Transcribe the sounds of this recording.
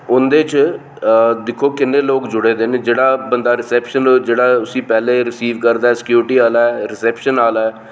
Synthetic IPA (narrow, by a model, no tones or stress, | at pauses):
ʊnd̪eːt͡ʃ | d̪ɪkʰːoːkɪnːeːloːkd͡ʒʊɽeːd̪eːneːd͡ʒeːɽaːbənd̪aːɾɪsɛːpʃənːd͡ʒeːɽaːʊsĩːpɛːleːɾɪsiːʋkəɾd̪aːɛːsɪ̥kjuːɾɪʈiːaːlaːɛːɾɪsɛːpʃənaːlaːɛː